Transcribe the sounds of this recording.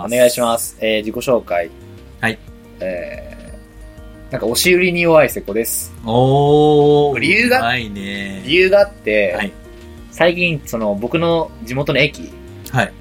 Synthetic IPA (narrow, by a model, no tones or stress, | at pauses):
o̞ne̞ɡaiɕimasɨ̥eːd͡ʑiko̞ɕo̞ːkai | hai | eː | nãŋkao̞ɕiɯ̟ɾʲiɲ̟ijo̞βaise̞ko̞d̪e̞sɨ̥o | kɾʲijɯːɡaineɾʲijɯːɡaːt̪ːe̞ai | saikʲĩnso̞no̞bo̞kɯ̟no̞d͡ʑimo̞t̪o̞no̞e̞kʲḭ | hai